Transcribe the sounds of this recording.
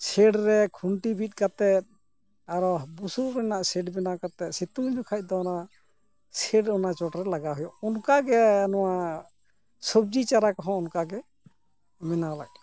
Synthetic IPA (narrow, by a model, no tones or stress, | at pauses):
sɛɖɾɛkʰuɳʈibʱit̪̚ˀkat̪ɛt̪̚ | aɾɔbusuɾɛnaʔsɛɖbɛnakat̪ɛt̪̚sit̪umɲɔkʰac̚ˀd̪ɔɔna | sɛɖɔnat͡ʃɔʈɾɛlaɡaɦɔjɔʔunkaɡɛanɔwa | sɔb̚d͡ʒit͡ʃaɾakɔɦɔ̃ɔnkaɡɛ | mɛnala̰k̚